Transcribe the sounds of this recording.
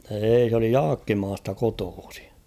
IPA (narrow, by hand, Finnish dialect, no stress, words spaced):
eːi s oli jɑːkːimɑːstɑ kotoːsi̥